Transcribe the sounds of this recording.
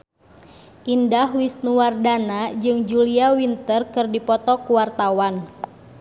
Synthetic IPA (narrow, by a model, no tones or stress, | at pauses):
ʔindahwist̪nuwardanad͡ʒɨŋd͡ʒuliawint̪ərkɨrdipɔt̪ɔkuwart̪awan